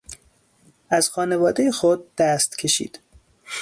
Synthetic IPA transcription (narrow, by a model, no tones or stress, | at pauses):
ʔæzxɒːne̞vɒːd̪ejexod̪̚ːæst̪cʲʰe̞ʃḭːd̪̥